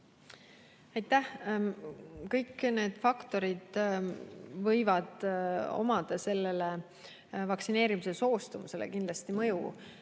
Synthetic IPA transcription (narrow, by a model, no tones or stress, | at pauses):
ɑjt̪ːˑæh | kɤjkːne̞ːd̪̥fɑkt̪o̞ɾid̪̥ | vɤjvɑd̪̥o̞̰mɑd̪̥ɑse̞lːe̞le | vɑksine̞ːɾimise̞so̞ːst̪umuse̞lḛkind̪lɑst̪imɤjṵ